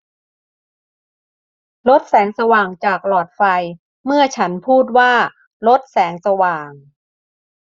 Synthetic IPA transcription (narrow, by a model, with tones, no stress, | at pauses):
lo˦˥t̪̚sɛː˩˦ŋsa˧waː˨˩ŋt͡ɕaː˨˩k̚lɔː˨˩t̪̚fa˧j | mɯ˥˩ɐt͡ɕʰa˦˥npʰuː˥˩t̪̚waː˥˩ | lo˦˥t̪̚sɛː˩˦ŋsa˧waː˨˩ŋ